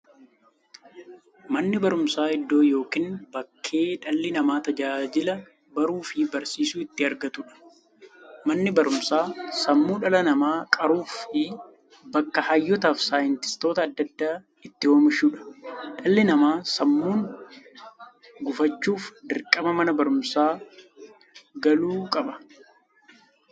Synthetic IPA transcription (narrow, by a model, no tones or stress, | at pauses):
mɐnːɪbɐɾʊmsaːɪd̪ːo̞ːjo̞ːkiːnbɐkʰːe̞ːᶑɐlːɪnɐmaːt̪ɐd͡ʒaːd͡ʒɪlɐ | bɐɾuːfɪbɐɾsiːsuːɪt̪ːɪɐɾɡɐt̪uːᶑɐ̥ | mɐnːɪbɐɾʊmsaːsɐmːuːᶑɐlɐnɐmaːkʼɐɾuːfɪ | bɐkːɐhɐjːɔt̪aːfsaːjɪnt̪ɪ̥st̪o̞ːt̪ɐːd̪ːɐd̪ːaː | ɪt̪ːɪhoːmɪʃuːᶑɐ̥ᶑɐlːɪnɐmaːsɐmːuːŋ | ɡʊfɐt͡ʃːuːfd̪ɪɾkʼːɐmɐmɐnɐbɐɾʊmsaː | ɡɐluːkʼɐbɐ̥